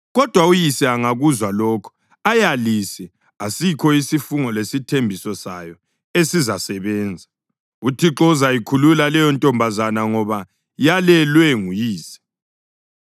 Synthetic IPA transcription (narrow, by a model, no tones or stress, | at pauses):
ɣɔd̥ʱwaujisɛaŋaɣuzwalɔːkʰɔ̥ | ajalisɛ | asikʰɔisifuŋɔlesitʰembʱisɔsajɔ | esizasɛβɛːnd͡zʱa | utʰiǁɔzaikʰululalɛjɔntʼɔmbʱazanaŋɔβa | jalɛlwɛŋujiːsɛ̥